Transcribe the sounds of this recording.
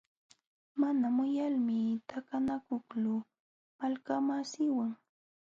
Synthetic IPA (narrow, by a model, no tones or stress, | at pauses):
manamʊjalmɪt̪akanakʊklʊ | malkamasɪwaŋ